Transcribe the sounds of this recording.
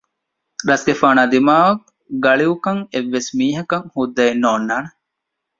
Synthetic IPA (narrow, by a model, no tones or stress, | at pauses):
ɾɐsɡefaːnaːd̪imaːʋɐk | ɡɐɭiukɐŋeʋːesmiːɦɐkɐŋhud̪ːɐenːoːnːaːne